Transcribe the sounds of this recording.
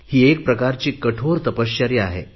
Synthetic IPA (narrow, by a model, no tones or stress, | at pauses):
hiːek̚pɾəkaɾt͡ɕiːkəʈʰoɾt̪əpəɕjəɾjəa̰ɦḛ